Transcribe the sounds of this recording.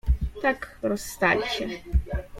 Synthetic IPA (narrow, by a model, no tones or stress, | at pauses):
t̪ʰakrɔsːt̪alʲʃɛ